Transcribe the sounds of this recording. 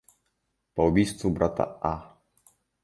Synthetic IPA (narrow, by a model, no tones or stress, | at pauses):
pɔɔbʲist̪fubɾat̪a̰ʔa